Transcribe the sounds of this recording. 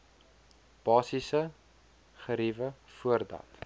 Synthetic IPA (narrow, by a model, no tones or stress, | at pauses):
b̥ɑːsisə | χəɾivəfuərdɐ̰t